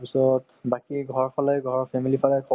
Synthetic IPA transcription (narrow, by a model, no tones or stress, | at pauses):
pisɔt | bakiɡʱɔɹpʰalɔjɡʱɔɹɔpʰɛmilipʰalɔjkʰɔ